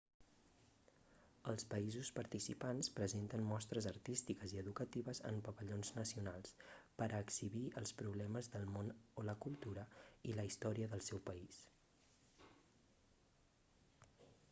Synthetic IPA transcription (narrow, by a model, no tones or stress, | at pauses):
əlˠspəizuspəɾt̪isipanspɾəzent̪əmmɔst̪ɾəzərt̪ist̪ikəziəðukət̪iβəzə̰mpəβəʎonznəsiunalˠspəɾʔːksiβiʔəlˠspɾuβlɛməzðəlˠmonoləkulˠt̪uɾəiləist̪ɔɾiəðəlˠsɛwpəis